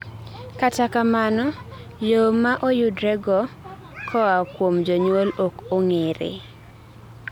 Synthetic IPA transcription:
katakamanɔ | jomaʔojʊdɾɛɡɔ | kʰɔakwomd͡ʒɔɲwolokoŋeɾɪ̰

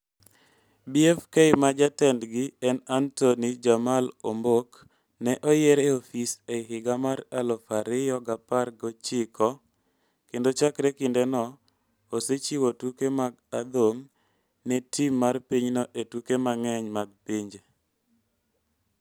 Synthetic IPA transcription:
biɛfkeɪmad͡ʒatɛndɡɪɛnantonid͡ʒamalombok | nɛʔɔjeɾeofiseɦɪɡamaɾalɔfaɾɪjɔɡaparɡɔt͡ʃɪkɔ | kendot͡ʃakɾekɪndenɔ | oset͡ʃiwotukemaɡ̚ad̪om | nɛtimːarpiɲnɔʔetukemaŋɛɲmaɡ̚piɲd͡ʒe

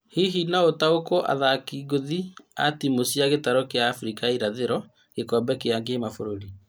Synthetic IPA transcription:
hiɦinaotaokoʔa̰ðakiɡoðia̰timosjaɣetaɾɔkeaːfɾikaiɾaðeɾɔ | ɣ̥ekɔmbɛkeaŋɡeːmafoɾoɾi

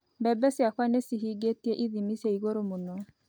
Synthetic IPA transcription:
bɛbɛsjakwanesiɦiɡetieʔiðimisjeiɣoɾomonɔ

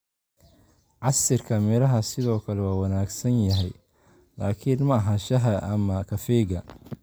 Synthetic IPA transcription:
ʕɑsɪrkʰɐmɛɾɐɦɐsɪðɔːkʰɐlɛwaːwɑnaːɡsɐnjɐɦɛj | laːkʰinmɐɐɦɐʃɐɦɐʔɐmɐkʰɐfɛːɡɐ

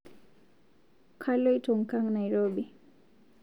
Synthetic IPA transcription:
kʰalojtʰoŋkaŋnajɹobi

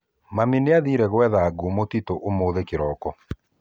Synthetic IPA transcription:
mamineaðiɾɛɣwɛðaːɡomotitoʔomoðekeɾɔkɔ

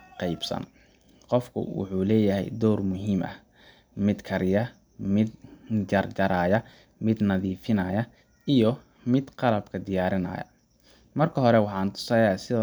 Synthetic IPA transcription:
qɑjbsɐ̰n | qɔfkʰʊ̰wʊ̰ħuːlɛːjɐɦɛ̰jd̪ɔːrmʊɦiːmʔɐ̰ | mɪd̪kʰɐɾjɐ | mɪd̪d͡ʒɐrt͡ʃɐɾaːjɐ | mɪd̪nɐðiːfɪnɐjɐ | ijɔ | mɪd̪qɑlɐb̚kʰɐd̪ɪjaːɾɪnɐ̰ːjɐ̰ | mɐrkʰɐɦɔɾɛwɑħɑːnt̪ʰʊ̥sɐjasɪðɐ

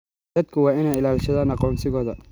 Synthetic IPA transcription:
ɐd̪̚kʰʊwɑːɪnɛːjɪlaːlʃɐðaːnɑqɔːnsɪɣɔːðɐ

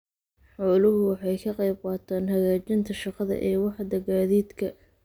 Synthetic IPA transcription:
ħɔːlʊɦʊwɑħɑjkʰɑqɑjb̚qɑːt̪ʰaːnɦɐɣaːt͡ʃɪnt̪ʰɐʃɑqɑðɐ̰ʔɛːwɑħd̪ɐɡaːðiːd̪kʰɐ

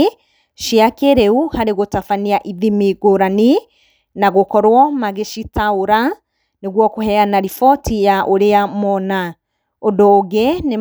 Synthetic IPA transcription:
ʃiakeɾɛuhaɾeɣotafaniaʔiðimiɡoɾani | naɣokɔɾwɔmaɣeʃitaoɾa | neɣwɔkohɛanaɾifɔtʰijaʔoɾeamɔna | odoːɡene

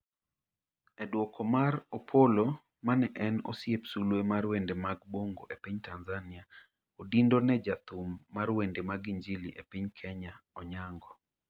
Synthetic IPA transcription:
edwɔkɔmarɔpʰolo | manɛʔɛnɔ̰sjepsulwemarwendemaɡboŋɡoʔepiɲtanzanɪa | odindonɛd͡ʒat̪ʊmːarwendemaɡiɲd͡ʒilḭʔepiɲkʰɛɲaɔɲaŋɡɔ

